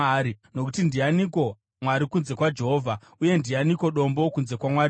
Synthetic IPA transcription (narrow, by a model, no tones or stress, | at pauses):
ɾino̞k̬utindianiko̞ | mwaɾikunze̞kwad͡ʒe̞ɦoːvʱa | uje̞ndianiko̞ɗo̞mbo̞kunze̞kwamwaɾi